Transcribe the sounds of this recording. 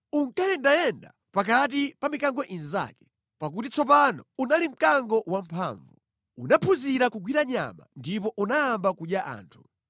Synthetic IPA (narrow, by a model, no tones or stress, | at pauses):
uŋkajɛndajɛnda | pak̬at̬ipamikaŋɡɔʔinza̰kɛ̥ | pak̬ut̬it͡sɔp̬anɔunalim̩kaŋɡɔwampʰa̰ɱvu | unapʰuziɾakuɡwiɾaɲa̰ma̰ndipɔʔunaːmbakuɗjaʔa̰ːntʰu̥